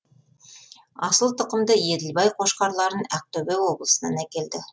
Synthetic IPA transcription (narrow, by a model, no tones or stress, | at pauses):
ɑsəlˠt̪ʰŏqə̆md̪əjed̪ɪlbɑjqʰoʃqɑɾlˠɑɾənæq̚t̪ɵbewo̞blˠəsə̆nɑnækʲe̞ld̪ɪ